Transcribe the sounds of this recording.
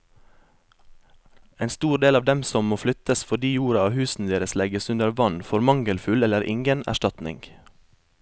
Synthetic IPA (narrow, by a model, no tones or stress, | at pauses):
eːnst̪uːɾɖ̪eːlɑːʋd̪ɛmsɔmmoːflʏt̪əsfɔɖiːjuːɾɑɑːhʉːsn̩d̪eːɾəslɛɡəsʉnd̪əɾʋɑnfɔɾmɑŋɡəlfʉlɛləɾʔɪ̰ŋɡənæ̰ʃtɑt̪nɪ̰ŋɡ